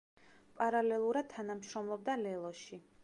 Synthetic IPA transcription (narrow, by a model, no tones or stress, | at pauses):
pʼaɾalɛlˠuɾad̪̥̚t̪ʰanamʃɾɔmlˠɔb̚d̪alɛlˠɔʃi